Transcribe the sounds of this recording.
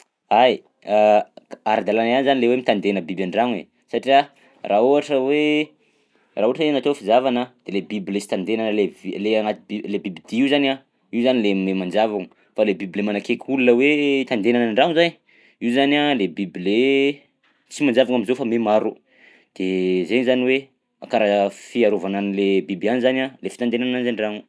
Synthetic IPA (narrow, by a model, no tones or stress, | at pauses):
aj | aaɾad̪alananizanilewemit̪and̪enəbibaɳɖ͡ʐaŋḛ | saʈ͡ʂia | rʔauaʈ͡ʂəwe | rauaʈ͡ʂəenat̪ofizavanəd̪̥elebibilesi̥t̪and̪enanleleaŋat̪ilebibid̪iiuzana | iuzanilememand͡ʒavaŋə | falebibilemanakekʲʰulunəweit̪and̪enanəɳɖ͡ʐaŋzaj | iuzanalebibile | t͡simand͡ʒavaŋamizofamemaɾu | d̪̥ezeɲzaniwe | akaɾafiaɾovananilebibanizanalefi̥t̪and̪enannanizaɳɖ͡ʐaŋu